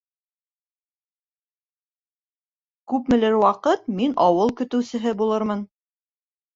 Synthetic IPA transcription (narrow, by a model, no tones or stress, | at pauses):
kʉpmɘ̆lɘɾwɑqɤt̪minɑwɤlˠkɵ̆t̪ɵ̆wsɘ̆ɦɘbulˠɤɾmɤn